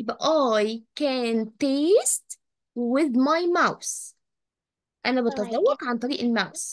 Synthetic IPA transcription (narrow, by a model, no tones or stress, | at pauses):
jbʔɑːjkæːnt̪eːst̪ | wɪðmɑjmaws | ʔænæbet̪ɑzˤɑwːɑqʕant̪ˤɑɾiːʔelmaws